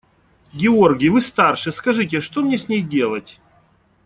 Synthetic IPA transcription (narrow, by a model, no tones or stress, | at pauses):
ɡʲɪorɡʲɪjvɨst̪arʂɨskɐʐɨtʲɪʂt̪omnʲesʲnʲejdʲe̞lˠətʲ